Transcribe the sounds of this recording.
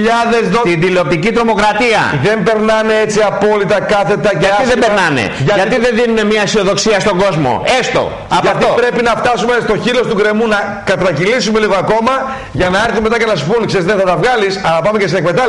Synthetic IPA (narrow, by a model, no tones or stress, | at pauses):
ʎɐðezot̪ind̪ileo̞p̚t̪icit̪ɾo̞mo̞kɾɐt̪iɐ̰ðe̞mbe̞ɾnɐneet͡siɐpo̞lit̪ɐkɐθe̞t̪ɐɐɐiðembeɾnɐnḛʝɐɐtt̪iðenðinune̞mɲɐisio̞ðo̞ksiɐst̪o̞ŋɡo̞zmo̞̰e̞st̪o̰ | ɐpɐt̪opɾepinɐft̪ɐsumest̪o̞çilo̞st̪uɡɾe̞munɐ | kɐt̪ɾɐcilisume̞liɣo̞ɐko̞mɐ | ʝɐnɐeɾθume̞t̪ɐcenɐsu̥punkseɾizðenθɐt̪ɐvɣɐlisɐnɐpɐmecesinekmet̪ɐ